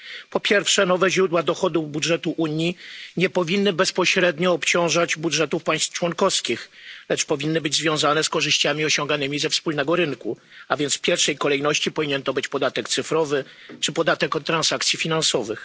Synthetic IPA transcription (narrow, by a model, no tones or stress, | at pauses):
pɔpʲjɛɾfʂɛnɔvɛʑɾud̪wad̪ɔxɔd̪ubudʐɛt̪uʔuɲjiɲɛpɔvʲinːɘbɛspɔɕɾɛd̪ɲɔːpt͡ɕɔ̃w̃ʐad͡ʑbudʐɛt̪ufpaj̃st̪ft͡ʂwɔnkɔfskʲixlɛt͡ʂpɔvʲinːɘbɘd͡ʑzvʲjɔ̃w̃zanɛskɔʐɘɕt͡ɕamʲiɔɕɔŋɡanɘmʲizɛfspulnɛɡɔɾɘnku | avʲjɛnt̪sfpʲjɛɾfʂɛjkɔlɛjnɔɕt͡ɕipɔvʲiɲɛnt̪ɔbɘt͡ɕpɔd̪at̪ɛkt̪sɘfɾɔvɘ | t͡ʂɘpɔd̪at̪ɛkɔt̪ːɾansakt̪sʲjifʲinansɔvɘx